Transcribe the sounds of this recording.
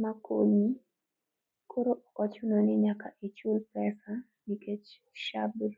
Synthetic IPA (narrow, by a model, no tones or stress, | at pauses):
makʰoɲi | kʰoɾoʔɔkɔt͡ʃunonɪɲakaʔit͡ʃulpɛsa | niket͡ʃ | ʃabl